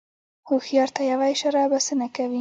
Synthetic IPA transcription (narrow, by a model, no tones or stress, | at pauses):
huxjɑɾt̪ajawajʃaɾɑbasənakawi